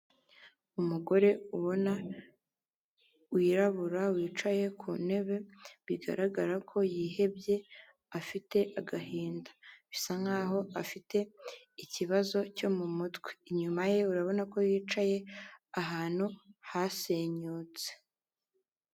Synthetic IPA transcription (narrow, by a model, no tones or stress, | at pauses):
umuɡo̞ɾe̞uβo̞na | wiːɾaβuɾawiːt͡ʃaje̞kʰune̞βe̞βiɡa̰ɾaɡaɾakʰo̞jiːhe̞bje̞ | afite̞ʔaɡaɦiːndḁβisaŋaːɦo̞afite̞ | iciβazo̞co̞mumutwe̥ɲumaje̞uɾaβo̞nako̞jiːt͡ʃaje̞aɦaːn̥huhase̞ɲuːt͡se̥